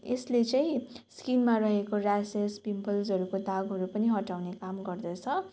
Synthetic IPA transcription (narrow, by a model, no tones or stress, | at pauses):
eslet͡sʌĩskinmarʌɦekoɾasespimpʌlsɦʌɾukod̪aɡɦʌɾupʌniɦʌʈawnekamɡʌrd̪ʌt͡sʰʌ